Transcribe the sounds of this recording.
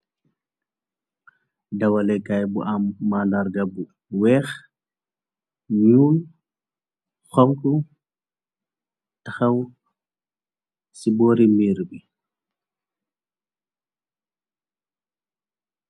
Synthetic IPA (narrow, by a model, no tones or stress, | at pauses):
dɐwɐlɛkajbṵʔamːalaɾɡabu | wɛːx | ɲuːl | xɔmku | taxɐw | sibɔːɾimiːɾbi